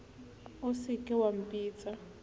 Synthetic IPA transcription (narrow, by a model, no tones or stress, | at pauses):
ʊsɪkʼɪwam̩pʼiːt͡sʼa